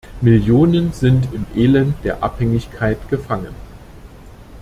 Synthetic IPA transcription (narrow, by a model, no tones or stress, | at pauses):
mɪljoːnənzɪntɪmʔeːlɛnt̚d̥eːɐʔa̰phɛŋɪçkʰaɪtɡ̥əfaŋən